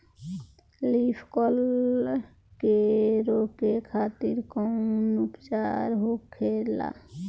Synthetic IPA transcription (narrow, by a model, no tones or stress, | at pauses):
lipʰkɔl | keɾokekʰaːt̪iɾkɔnupt͡ʃaɾɦokʰela̰